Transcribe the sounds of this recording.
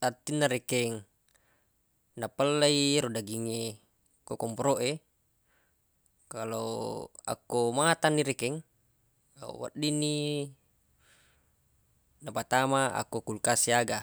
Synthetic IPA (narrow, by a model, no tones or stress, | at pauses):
t̪at̪ːinːaɾekɛŋ | napəlːaiɾodaɡiŋe | kokɔmpɾoʔe | kaloa̰komat̪anːiɾɛkɛŋ̰ | wa̰ʔdini | napat̪amaa̰kokulkasiaɡa